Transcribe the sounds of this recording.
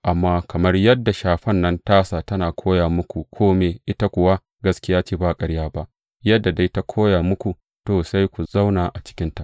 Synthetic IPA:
ʔa˨mːaː˦kɐ˨mɐ˦rjɐ˦dːa˨ʃaː˨ɸɐ˦nːɐ˦ntaː˦saː˨tɐ˦naː˨kʷʰoː˦jaː˨mʊ˦kʷu˨kʷʰoː˦meː˨ʔɪ˦ta˦kʷʊ˨wa˦ | ɡɐ˦skʲɪ˦jaː˦t͡ʃiː˦baː˦˨kʼɐ˦ɽjaː˦ba˦ʔ | jɐ˦dːa˨da˦ta˦kʷʰoː˦jaː˨mʊ˦kʷu˨ | toː˨sa˦jkʷu˨za˦wnaː˨ʔa˨t͡ʃɪ̥˦kʲɪ˦nta˨ʔ

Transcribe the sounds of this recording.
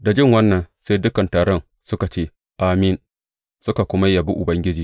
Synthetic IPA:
da˨d͡ʒɪ˦ŋwɐ˦nːɐ˨nseː˦jdʊ˦kɐ˨ntaː˨ɽɔ˦n | sʊ˦ka˨t͡ʃeː˦ | ʔa˨mɪ˦˨n | sʊ˦ka˨kʷʊ˦ma˦ja˨bi˦ʔʊ˨bɐ˦ŋɡʲɪ˦d͡ʒiː˨

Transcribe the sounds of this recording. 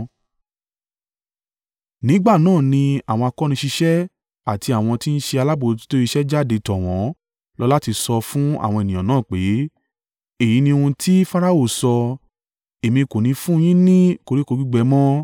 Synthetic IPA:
nĩ˨˦ɡ͡ba˦˨nãː˦˨nĩ˧a˨w̃ɔ̃˧a˧kɔ˦nĩ˧ʃi˧ʃɛ˦ | a˨ti˧a˨w̃ɔ̃˧ti˦n̩˦ʃe˧a˧la˦bo˧˨ti̥˦to˦i˧ʃɛ˦d͡ʒa˦˨de˧tɔ˨w̃ɔ̃˨˦ | lɔ˦la˦ti˧sɔ˧fũ˦a̰˦˨w̃ɔ̃˧e˨nĩ˨ɔ̃˨nãː˨˦˨k͡pe˨˦ | e˦˨ji˨˦nĩ˧ũ˧tʰi˦fa˦ɾa˦o˦˨sɔ˧ | e˨mĩ˧ko˨nĩ˨˧fũ˦˧˦j̃ĩ˦nĩ˦ko˧ɾi˦ko˧ɡ͡bi˦ɡ͡bɛ˦mɔ̃˦

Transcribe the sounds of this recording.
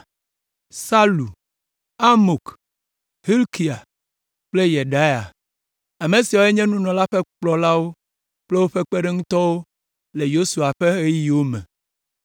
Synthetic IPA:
sa˦lu˨ | a˦mo˨k | hi˦lki˨a˨ | k͡ple˦je˨ɖa˦ja˨ | a˨mẽ˨si˨wo˦e˦ɲɛ̃˦nũ˦nɔ̃˨la˦ɸɛ˦k͡plɔ˨la˦wo˦ | k͡ple˦wo˦ɸe˦k͡pe˦ɖe˦ŋũ˦t̪ɔ˦wo˦ | le˨jo˦su˨a˨ɸe˦e˦ji˨wo˦mɛ̃˨

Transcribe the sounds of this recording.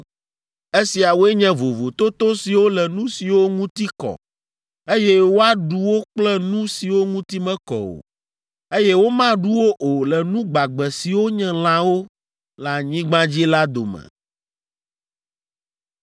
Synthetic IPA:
e˦si˨a˨wo˦e˦ɲɛ̃˦vo˨vo˨t̪o˦t̪o˦si˨wo˦lɛ˨nũ˦si˨wo˦ŋũ˦t̪i˦kɔ̰˨ | e˦jɛ˦wo˦a˦ɖu˦wo˦k͡plɛ˦nũ˦si˨wo˦ŋũ˦t̪i˦mɛ̃˦kɔ̰˨o̰˨ | e˦jɛ˦wo˦mã˦ɖu˦wo˦ʔo˨lɛ˨nũ˦ɡ͡ba˨ɡ͡bɛ˨si˨wo˦ɲɛ̃˦l̃ã˦wo˦ | la˨ɲĩ˦ɡ͡bã˦d͡ʑi˦la˦d̪o˨mɛ̰̃˨

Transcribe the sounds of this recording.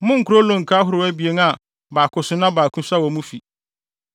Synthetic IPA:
mʊ̃˦ŋ̩˨kʰʊ˨ɾo˦lõ˨ŋ̩˨kʰa˦ɦʊ˦ɾʊ˨wɛ˦bi˨e˨˦ŋa˨ | baː˨kʰʊ˨sʊ˦nã˦baː˨kʰũ˦sa˦wɔ˨mũ˦fi˨

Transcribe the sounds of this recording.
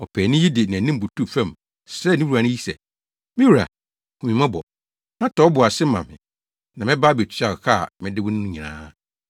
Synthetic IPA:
ɔ˨pʰɛ˨nɪ̃˦ji˦dɪ˨nã˨nĩ˦m˦bʊ˨tʰu˦fɛ̃˦˨m | sɾɛ˦˨nĩ˦wu˦a˨nʊ̃˦ji˦sɛ̰˨ | mɪ̃˦wu˨ɾa̰˨ | kʰu˨ĩ˨mã˦bɔ̰˨ | nã˦tʰɔ˨˦bʊ˨a˨sɪ˦mã̰˨mɪ̰̃˨ | nã˨mɪ̃˦ba˦˨be˨tʰa˨kʰa˦˨mɪ̃˦dɪ˦wʊ̃˦n˦ʊ̃˦ɲĩ˨nã̰ː˦

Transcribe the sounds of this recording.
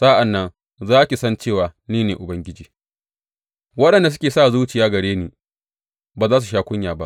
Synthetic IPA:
saː˦ʔa˨nːɐ˦n | zaː˦kʲi˨sɐ˦nt͡ʃeː˦˨waː˨niː˦neː˨ʔʊ˨bɐ˦ŋɡʲɪ˦d͡ʒiː˨ | wɐ˦ɗɐ˨nda˨s̬ʊ˦kʲeː˨saː˦˨zuː˦t͡ʃɪ˨jaː˦ɡɐ˨ɽeː˦niː˨ | baː˨zaː˦s̬u˨ʃaː˦kʷʊ˦ɲjaː˨ba̰˦ʔ

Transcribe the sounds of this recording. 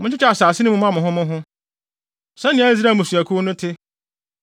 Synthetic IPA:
mʊ̃˦t͡ɕʰɪ˦t͡ɕa˨saː˨sɪ˦nʊ̃˦mʊ̃˦m˦ã˦mʊ̃˨ɦʊ̃˦mʊ̃˦ɦʊ̃˦ | sɛ̃˦nɪ̃˨˦æ˦zi˦ɾa˦˨mʊ̃˨su˨æ˨kʰu˦nʊ̃˦tʰɪ˦

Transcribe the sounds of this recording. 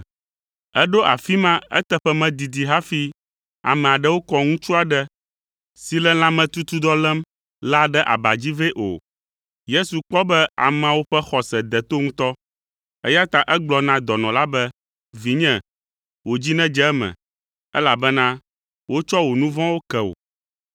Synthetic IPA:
ɛ˦ɖo˦ʔa̰˨fi˦mã˦ɛ̰˦t̪ɛ˦ɸɛ˦mɛ̃˨d̪i˨d̪i˨ɦa˦fi˦ | a̰˨mɛ̃˨a˨ɖɛ˦wo˦kɔ˦ŋũ˦t͡ʃu˦a˨ɖɛ˦ | si˨lɛ˦l̃ã˦mɛ̃˨t̪u˦t̪u˦d̪ɔ˦lɛ˦m | la˦ɖɛ˦ʔa̰˨ba˨d͡ʑi˦ve˦ʔo̰˨ | je˦su˨k͡pɔ˦bɛ˦a̰˨mã˨wo˦ɸɛ˦xɔ˨sɛ˨d̪ɛ˨t̪o˦ŋũ˦t̪ɔ˦ | ɛ˦ja˦t̪a˨ʔɛ˦ɡ͡blɔ˨nã˦d̪ɔ˨nɔ̃˨la˦bɛ˦ | vi˨ɲɛ̃˨ | wo˨d͡ʑi˦nɛ̃˦d͡ʒɛ˦ɛ˦mɛ̰̃˨ | ɛ̰˦la˨bɛ˦nã˦ | wo˦t͡ʃɔ˦wo˨nũ˦vɔ̃˦wo˦kɛ˨o̰˨

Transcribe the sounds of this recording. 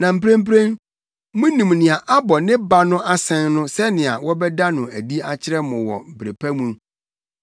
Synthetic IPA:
nã˨m̩˨pɾẽ˦m̩˦p̬ɾẽ˦n | mʊ̃˦nĩ˨mnɪ̃˨a˨ʔa˦bɔ˨nɪ̃˦ba˦nʊ̃˦ʔa˦sɛ̃˦nnʊ̃˦sɛ˦nɪ̃˨a̰˨wɔ˦bɛ˦da˦nʊ̃˨æ˨di˦a˨t͡ɕʰɪ˦ɾɛ˦mʊ̃˨wɔ̰˨bɾe˨pʰæ˦mũ˦

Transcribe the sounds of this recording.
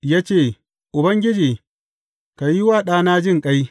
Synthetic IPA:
jaː˦t͡ʃeː˦˨ | ʔʊ˨bɐ˦ŋɡʲɪ˦d͡ʒiː˨ | ka˨ji˦waː˦˨ɗaː˦naː˦d͡ʒɪ˦ŋkʼa˦j

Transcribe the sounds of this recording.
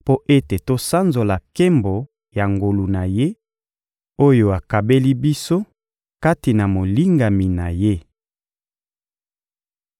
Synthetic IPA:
po˦ʔe˦te˨to˦sa˦nzo˨la˨ke˦mbo˨ | ja˨ŋɡo˨lu˨na˨je˦ | o˦jo˦a˨ka˨be˦li˦bi˦so˦ | ka˦ti˨na˨mo˨li˦ŋɡa˨mi˨na˨je˦

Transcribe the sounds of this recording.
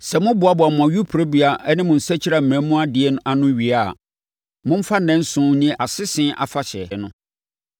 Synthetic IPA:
sɛ˨mʊ̃˦bʊ˨a˦bʊ˨a˨mʊ̃˨ã˨ɥu˦pʰu˨ɾo˦bi˦a˨ʔɛ˦nɪ̃˦mʊ̃˨n̩˨sɛ˦t͡ɕʰi˦ɾa˨m̩˨mɛ̃˨˦mũ˦a˦dɪ˨ɛ˦nʊ̃˦ʔa˦nʊ̃˦ɥi˨a̰˨ | mʊ̃˦m̩˦fa˦nɛ̃˦n˦sʊ̃˦nĩ˦ɛ˨ʔa˨sɪ˦sɪ̃˦ʔa̰˨fa˨ɕɛ˨nʊ̃˦

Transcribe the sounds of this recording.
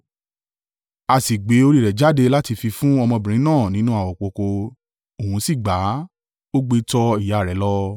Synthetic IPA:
a˧˨si˨ɡ͡be˨˦o˧ɾi˦˨ɾɛ˨d͡ʒa˨˦de˧la˦ti˧fi˧fũ˦ɔ˧mɔ̃˧bĩ˨ɾ̃ĩ˨˦nãː˦˨nĩ˦nũ˦a˦˨wɔ˨k͡po˧ko˧ | o˨hũ˨˦si˦˨ɡ͡ba˨˦ | o˦ɡ͡be˧tɔ˧i˦˨ja˨ɾɛ˨˦lɔ˦

